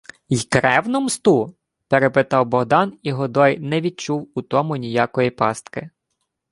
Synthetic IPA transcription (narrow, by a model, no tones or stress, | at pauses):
jkɾɛwnʊmst̪u | peɾepɪt̪ɑwbɔɦd̪ɑniɦɔd̪ɔjnɛʋʲid̪̚t͡ʃuwut̪ɔmʊnʲijɑkɔjipɑst̪kɪ